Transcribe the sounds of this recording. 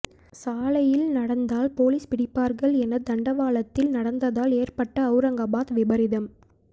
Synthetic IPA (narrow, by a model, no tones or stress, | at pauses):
saːlɐjɪlnɐɽɐnd̪aːlpoːliːspɪɽɪpːaːɾɣɐɭɛnɐd̪ɐɳɖɐʋaːɭɐt̪ːɪlnɐɽɐnd̪ɐðaːleːrpɐʈːɐːʊɾɐŋɡɐbaːt̪ʋɪbɐɾɪðɐm